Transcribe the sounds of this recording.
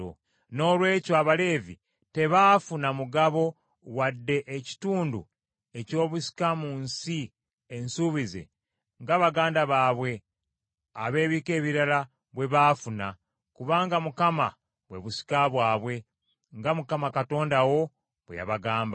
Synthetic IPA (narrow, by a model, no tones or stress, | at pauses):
o | no̞ːlwe̞ːcoaβale̞ːvi | te̞βaːfunamuɡaβo̞ | wadːe̞ʔːci̥tuːndṵ | e̞co̞ːβusi̥kamuːnsi | ensuβize̞̰ | ŋɡaβaɡaːndaβaːβwe̞ | aβe̞ːβiːke̞ːβiɾala | βwe̞βafuna | kuβaːŋɡamukama̰ | βwe̞̰βusi̥kaβwaːβwe̞ | ŋɡamukamakato̞ːndawo̞ | βwḛja̰βaɡaːmba